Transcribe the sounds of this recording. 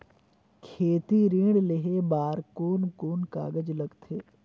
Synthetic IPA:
kʰeːt̪iɾĩːɽleɦebaːɾkoːnkoːnka̰ːɡəd͡ʒləɡt̪ʰeː

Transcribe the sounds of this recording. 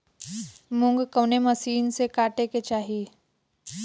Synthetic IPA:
mʊ̃ŋɡkəwnemɐsiːnsekaːʈeket͡ʃaːɦi

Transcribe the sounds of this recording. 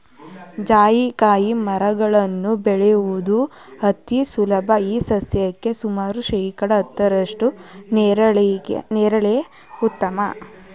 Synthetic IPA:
d͡ʒaːjikaːjimɐɾɐɡɐɭɐnːubɛɭejuʋud̪u | ɦɐt̪ːisulɐbʱɐiːsɐsjɐkːe̞sumaːɾuʃɐjkɐɽɐːt̪ːɐɾɐʂʈunːɾɐɭ̰nɛːɾɐɭeɐ | ut̪ːɐmɐ̰

